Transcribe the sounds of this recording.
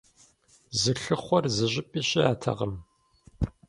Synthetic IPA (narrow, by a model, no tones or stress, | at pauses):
zɨɬɨχʷɔrzɨʑʼɪpʼiːɕʼɪaːtʰɐ̰ʁəm